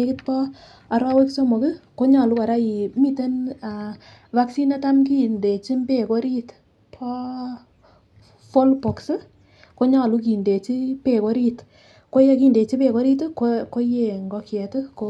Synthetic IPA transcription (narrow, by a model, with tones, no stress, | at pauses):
e˦kɪ˦tpɔ˦ | a˨ɾɔ˦we˦kso˦mo˨kɪ˦ko˦ɲa˨lu˦ka˨ɾa˦ji˨mi˦te˦na˨ | va˦ksi˦na˦ta˦mki˦nde˨t͡ʃi˦mbe˨ko˦ɾi˦t | pʰɔ˦ | fo˦lpo˨ksɨ˦ | ko˦ɲa˦˨lu˦k̬i˨nde˨t͡ʃi˦pe˨ko˦ɾi˦t | ko˦je˦ki˦˨nde˨t͡ʃi˦pe˨ko˦ɾi˦tkoko˦je˨ŋɡɔ˦kjɛ˨to˦ko